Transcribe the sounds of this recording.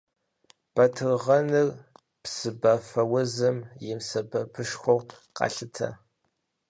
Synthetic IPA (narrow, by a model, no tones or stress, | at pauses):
b̥ɐtʰɨrʁɐnɨr | psɨbɐfɐwɐzɨmjɪmsɐbɐpʰɨʂxʷɔw | qɑ̰ɬɨtʰɐ̰